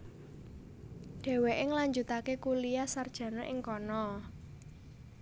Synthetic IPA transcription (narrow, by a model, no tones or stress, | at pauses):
ɖ̥e̤weʔɪŋlaɲd͡ʒut̪akekulijasard̥ʒ̥ä̤nɔʔɪŋkɔnɔ